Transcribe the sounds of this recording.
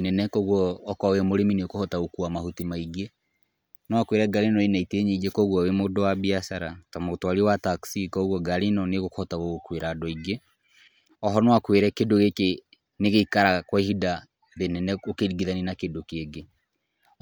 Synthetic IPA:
nɛnɛkɔɣwɔːkwawɛmoɾemineokohɔtaɣokuamahutimaiɡe | nwakweɾɛɡaɾinɔenaiteɲeid͡ʒekɔɣwɔwemodowabiasaɾatamotowaɾiewataksikɔɣwɔɡaɾinɔneɣokhɔtaɣoɣokweɾadɔiɡe | ɔɦɔnwakweɾɛkedoɣeke | neɣeikaɾakwaɦida | ðenɛnɛokeɾiɡiðaninakedokeːɡe

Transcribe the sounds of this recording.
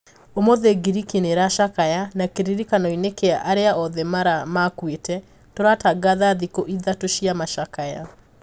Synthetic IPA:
omoðeɡiɾikineɾaʃakajanakeɾiɾikanɔinekeaʔaɾeaʔɔðɛmaɾamakwetɛ | toɾataɡaðaðikoʔiðatoʃiamaʃakaja

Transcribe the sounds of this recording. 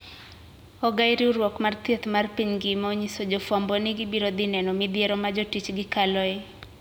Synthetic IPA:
ɔɡaiɾiuɾwɔkmart̪jet̪marpiɲɡɪmoɲisod͡ʒofambɔnɪɡɪbiɾod̪ɪnɛnɔmɪd̪jeɾɔmad͡ʒotit͡ʃɡɪkalɔe

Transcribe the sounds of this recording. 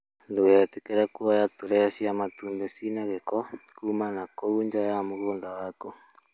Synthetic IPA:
ndoɣeɛtekɛɾakuajatuɾɛsiamatundɛsinaɣekɔkumanakouɲd͡ʒajamoɣoːŋdawako

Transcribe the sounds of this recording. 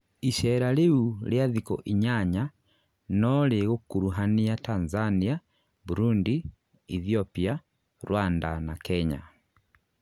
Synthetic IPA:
iʃɛɾaleuljaðikɔ̰ʔiɲaɲa | nɔleɣokuɾuɦaniatanzania | buɾundi | iθiɔpia | ɾwandanakɛɲa̰

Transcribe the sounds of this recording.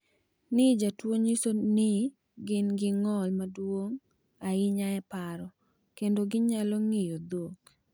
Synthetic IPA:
nɪd͡ʒatwoɲisonɪ | ɡɪnɡɪŋɔlmadwoŋ | aɪɲaɛpaɾɔ | kendoɡɪɲalɔŋɪjod̪ok

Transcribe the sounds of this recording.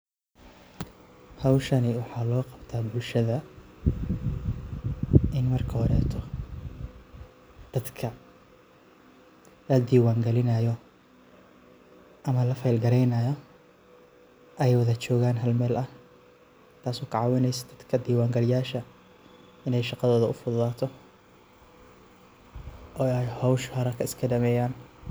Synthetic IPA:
hɑwʃɐnɪwɑħɑːlɔːqɑbt̪ʰaːbʊlʃɐðɐ | ʔɪnmɐrkʰɐɔɾɛ̰ːt̪ʰɔ | d̪̥ɐd̪kʰɐ | lɐd̪iːwaːŋɡɐlɪnɐjɔ | ʔɐmɐlɐfɐjlɡɐɾɛjnɐjɔ | ʔɛjwɐðɐt͡ʃɔːɣaːnɦɐlmɛːlʔɐh | t̪ʰaːsɔːkʰɐʕɑwɪnɛjsɐ̥d̪̥ɐd̪kʰɐd̪iːwaːŋɡɐlɪjaːʃɐ | ɪnɛjʃɑqɑðɔːðɐʊfʊðʊðaːt̪ʰɔ | ʔɔːɛjhɔwʃhɔɾɐkʰɐɪskʰɐɖɐmɛːjaːn

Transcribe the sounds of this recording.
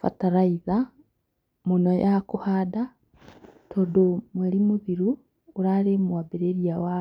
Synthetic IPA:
fa̰taɾaiða | monɔjakohada | tʰodomweɾimuðiɾuː | ɾaɾemwabeɾeɾiawa

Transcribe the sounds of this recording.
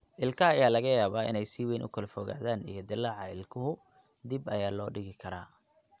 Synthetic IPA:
ʔɪlkʰɐːjaːlɐɣɐjaːβaːʔɪ̰nɛjsiwɛjnʔʊ̰kʰɐlfɔɣa̰ːðaːnḭjɞd̪ɪlːaːʕɑɪlkʰʊɦʊ | d̪ibɐjaːlɔːɖɪɣɪkʰɐɾaː

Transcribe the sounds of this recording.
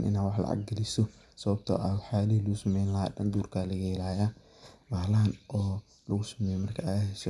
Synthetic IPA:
nʔɪ̰naːwɑħlɐ̰ʕɑ̰ɡ̚ɡɐlɪsɔ | sɐβɐb̚t̪ʰɔ̰ːʔawɑħaːlihilɐɣʊsɐmɛjnlɐɦadɐnd̪uːrkʰalɐɣɛɛlaːjaː | maːlɐɦɐnɔː | lɐɣʊsɐ̥mɛjmɐrkʰɐaːɦɛʃɔ

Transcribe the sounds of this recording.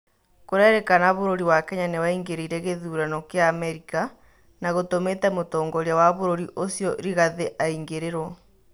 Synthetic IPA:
koɾɛɾekanaβoɾoɾiwakɛɲanewaiŋɡeɾiɾɛɣeðuːɾanɔkeaːmɛɾika | naɣotometɛmotɔːŋɡɔɾjawaβoɾoɾiʔosjɔɾiɣaðeʔaiŋɡeɾeɾwɔ

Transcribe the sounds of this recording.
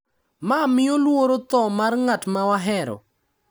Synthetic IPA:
mamɪolwoɾot̪ɔmarŋatmawaɦɛɾɔ̰

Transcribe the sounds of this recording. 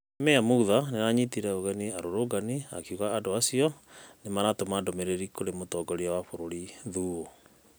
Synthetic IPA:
mɛamuːðanenaɲitiɾɛoɣɛniaɾoɾoːɡania̰kiuɣaːdoasiɔnemaɾatomadomeɾeɾikoɾemotɔɡɔɾeawafoɾoɾiðuːo

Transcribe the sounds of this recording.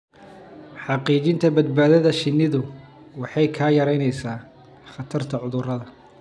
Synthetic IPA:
ħɑqiːt͡ʃɪnt̪ʰɐbɐd̪̚baːðɐðɐʃɪnːɪðʊ | wɑħɑjkʰaːjɐɾɛjnɛjsaː | χɑt̪ʰɐrt̪ʰɐʕʊðʊrɐðɐ

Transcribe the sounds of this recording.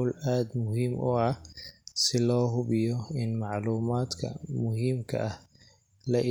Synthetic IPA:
wlaːd̪mʊɦiːmʔʊ̰ɐ | sɪlɔːɦʊbɪjɔɪnmɑʕluːmaːd̪kʰɐ̰mʊɦiːmkʰɐ̰ʔɐh | lɐʔɪ

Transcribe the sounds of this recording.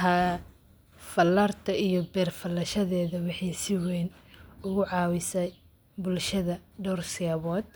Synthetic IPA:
ɐ | fɐlːɐːrt̪ʰɐijɞbɛːrfɐlɐʃɐðɛːðɐwɑħɑjsɪwɛːnʊɣʊʕɑːwɪsɛj | bʊlʃɐðɐɖɔrsɪɐβɔːd̪

